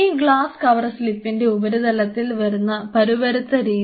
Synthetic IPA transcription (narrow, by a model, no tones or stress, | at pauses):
iɡɭaːskɐʋɐrslipːinde̞ubɐɾud̪ɐlɐt̪ːilʋɐɾunːɐpɐɾubɐɾut̪ːɐɾiː